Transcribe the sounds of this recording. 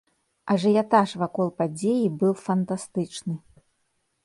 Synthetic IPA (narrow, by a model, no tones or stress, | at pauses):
ɐʐɨjat̪aʂvakɔlˠpad͡zʲejibɨwˠfɐnt̪ast̪ɨt͡ʂnɨ